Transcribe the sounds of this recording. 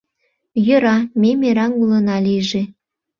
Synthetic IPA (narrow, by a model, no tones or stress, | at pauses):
jə̆ɾɑmemeɾɑnulənɑlijʒe